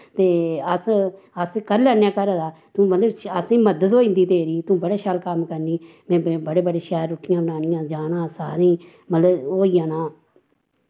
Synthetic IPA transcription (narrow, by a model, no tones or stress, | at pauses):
t̪eːəs | əskəɾlɛːnjaːkəɾəːd̪aːt̪ũːmət̪ləbəsĩːməd̪ət̪oːɪ̃nd̪iːd̪eːɾiːt̪ũːbəɽaːʃaːlkəmkəɾniː | mɛ̃ːbəɽeːbəɽeːʃɛːɾːʊkʰːɪjãːbənaːnɪjãːd͡ʒaːnãːsaːɾeĩː | mət̪ləboːijãːnãː